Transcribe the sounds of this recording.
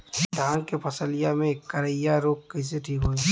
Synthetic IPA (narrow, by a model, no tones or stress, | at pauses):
d̪ʱaːnkepʰɐsəlɪjamẽkːəɾəjaɾoːkkəs̬eʈʰiːkɦoːi